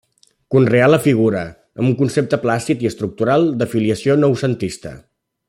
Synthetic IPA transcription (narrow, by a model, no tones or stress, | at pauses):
kunrealəfiɣ̞uɾə | əmuŋkunsep̚t̪əplast̪it̪iəst̪ɾuk̚t̪uɾalˠd̪əfiliəsionɔwsənt̪ist̪ə̰